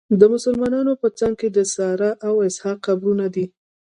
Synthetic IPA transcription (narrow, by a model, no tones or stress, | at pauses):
d̪əmʊsəlmɑnɑnopət͡saŋɡ̚ked̪əsɑɾaʔawɪshɑqːabɾunad̪i